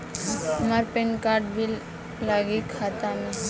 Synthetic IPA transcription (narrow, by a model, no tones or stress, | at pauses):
əmaɾpenkaɾɖbʱil | laɡikʰːat̪ana